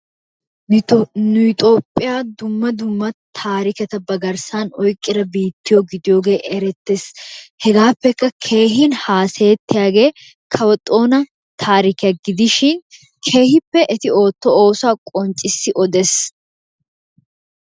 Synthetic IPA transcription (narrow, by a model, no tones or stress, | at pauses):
nʊt̪ʼoːpʼːɪjaːd̪ʊmːɐd̪ʊmːɐt̪ʰaːɾɪkɛt̪ɐbɐɡɐɾsaːnɔjkʼːɪɾɐbiːt̪ːɪjoɡɪd̪ɪjoːɡe̞ːʔɛɾɛt̪ːeshɛɡaːpːɛkːɐkʰe̞ːɦɪnhaːse̞ːt̪ːɪjaːɡe̞ː | kʰɐwɔt̪ʼːo̞ːnɐ | t̪ʰaːɾɪkɪjɐɡɪd̪ɪʃɪn | kʰe̞ːhɪpːɛʔɛt̪ɪo̞ːt̪ːɔoːsʊaːkʼɔnt͡ʃʼːɪsːɪʔɔd̪ɛs